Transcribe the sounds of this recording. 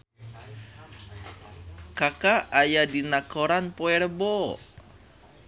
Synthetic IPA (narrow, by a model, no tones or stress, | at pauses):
kakaːjadinakoɾanpoɛɾəbo